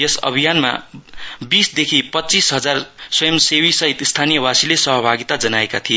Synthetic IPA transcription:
jesʌ̰bʱijanma̰bisd̪ekʰipʌtːt͡sisɦʌd͡zarsʌjʌmsewisʌɦit̪st̪ʰanijʌwasilesʌɦʌbʱaɡit̪ad͡zʌnaekat̪ʰie

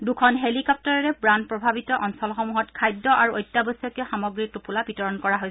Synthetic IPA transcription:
dukʰɔnɦelikɔp̚tɔɹɔɹɛbɹand̚pɹɔbʱabitɔʔɔnsɔlxɔmuɦɔtkʰajdːɔʔaɹuojtːabɔsɔkɛxamɔɡɹitupulabitɔɹɔnkɔɹaɦojsɛ

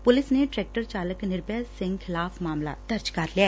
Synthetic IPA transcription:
pʊlɪsneʈɾɛːk̚ʈəɾt͡ʃaːləknɪɾpɛsɪ̃ŋɡkʰɪlaːpʰmaːmla̰d̪̥əɾd͡ʒkɐɾliɛː

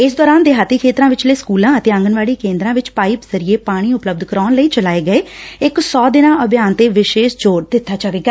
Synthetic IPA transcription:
ɪsd̪ɔːɾaːnd̪eːɦaːt̪iːkʰeːt̪ɾãːʋɪt͡ʃləiːskuːlãːət̪eːə̃ŋɡənʋaːɽiːkẽːnd̪ɾãːʋɪt͡ʃpaːiːpzəɾieːpaːɽ̃iːʊpləb̚d̪kəɾɔːnləiːt͡ʃəlaːeːɡəeːɪksɔːd̪ɪnãːʔəbjaːnt̪eːʋɪʃeːʃd͡ʒoːɾd̪ɪt̪ʰːaːt͡ʃaːʋeːɡaː

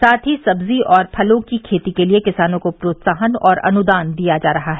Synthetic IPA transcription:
saːt̪ʰɦisɐbziʔɔːɾpʰɐlõkikʰeːt̪ikeliekɪsaːnõkopɾoːt̪saːɦənɔːɾɐ̰nʊd̪aːnd̪ijad͡ʒaːɾɐɦaɦɛː

